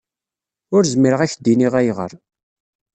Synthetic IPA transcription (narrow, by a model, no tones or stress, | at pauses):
ʊɾzəmiɾəʁæçd̪iniʁæjʁə̰ɾ